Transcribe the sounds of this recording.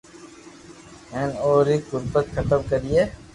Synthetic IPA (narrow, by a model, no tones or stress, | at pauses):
ɛnoːɾiɣʊɾbət̪̚kʰɐt̪əbkɐɾie